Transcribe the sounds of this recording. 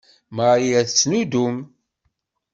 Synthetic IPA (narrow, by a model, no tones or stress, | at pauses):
maɾiæθt͡sːnud̪um